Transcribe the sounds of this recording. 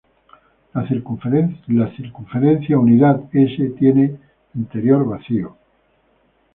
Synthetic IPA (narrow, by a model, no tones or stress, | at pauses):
a | laθiɾkuɱfe̞ɾẽnθjauniðat̪eset̪je̞ne | int̪e̞ɾjo̞ɾβaθio